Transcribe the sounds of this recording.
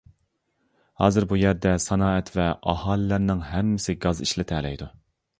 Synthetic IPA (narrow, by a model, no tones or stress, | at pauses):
hɑːzɨɾbujæɾd̪ɛsɑnɑːɛt̪ʰvɛʔɑhɑːlɪlɪɾnɪŋɦɛmːɪsɪɡɑziʃlɪt̪ʰɛlɛ̰jd̪u